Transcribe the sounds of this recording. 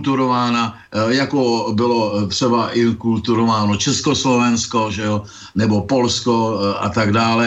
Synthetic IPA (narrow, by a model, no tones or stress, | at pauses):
t̪uɾovaːna | jakobɪlot̪r̝̥ɛbaʔɪkult̪uɾovaːnot͡ʃɛskoslovɛnskoʒɛo | nɛbo̞po̞lskoʔat̪aɡdaːlɛ